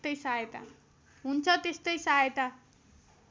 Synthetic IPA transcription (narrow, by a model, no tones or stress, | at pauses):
t̪ʌjsaet̪a̰ | ɦunt͡sʰʌt̪est̪ʌjsaet̪a